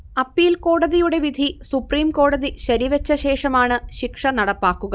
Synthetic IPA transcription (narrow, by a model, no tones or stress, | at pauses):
ɐpːijilko̞ːɽɐðijuɽe̞ʋid̪ʱisupriːmko̞ːɽɐðiɕɐɾiʋɐt͡ɕːɐɕe̞ːʂɐmaːɳɨɕikʂɐnɐɽɐpːaːkːuɣɐ